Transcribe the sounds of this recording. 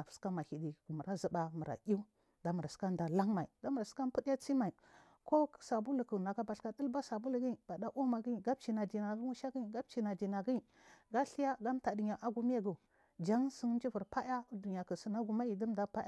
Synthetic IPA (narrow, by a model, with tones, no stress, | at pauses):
a˨fu̥˨˦ska˦ma˨hi˨di˨ku˨mu˨ɾa˦zə˨ba˨mu˨ɾa̰˨ʔi˦u˦ | da˨˦mu˨ɾa˨sə̥˦ka˦nda˨la˦ŋma˨ḭ˨da˦mu˨ɾsi̥˦ka˦n˦pu˦dja˦t͡si˦ma˨i˨ | ko˦˨sa˨bu˦lu˨kə˨na˨ka˦ba˨ɬka˨də˦lba˦sa˨bu˦lu˨ɡi˦˨b̥a˨da˦ʔu˦ma˨ɡi˦˨ɡa˦b̚t͡ʃi˨na˨di˨na˨˦ŋu˦ʃa˦ɡi˦˨ɡa˦b̚t͡ʃi˨na˨di˨na˨ɡi˦i˨ | ɡa˦ɬi˦ja˦ɡa˦m˦ta˨di˨ɲa˨ʔa˦ɡu˦m˦ja˦ɡu˨ | d͡ʒa˦ŋsi˦ŋ˦n˦d͡ʒi˦vu˨ɾpa˦ja˦du˨ɲ˨a˨kə˨si˦na˦ɡu˨ma˦i˨də˦m˦da˨pa˦ja˦